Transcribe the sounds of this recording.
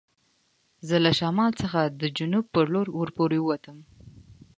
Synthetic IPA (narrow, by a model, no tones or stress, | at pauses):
zəlaʃamɑlt͡səxad̪əd͡ʒʊnub̚pːəɾloɾwəɾpoɾewəwat̪əm